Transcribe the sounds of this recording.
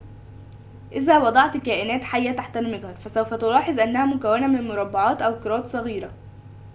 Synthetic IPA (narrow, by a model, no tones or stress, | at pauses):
ʔɪzæːwɑd̪ˤɑʕt̪kæːʔɪnæːt̪ħajːæt̪aħt̪ælmɪɡhɑɾˤfæsæwfæt̪ʊlɑːħezˤʔænːæhæmʊkæwːɪnæmɪnmoɾˤɑbːɑʕɑːt̪ʔæwkɑɾˤɑːt̪sˤɑɣiːɾæ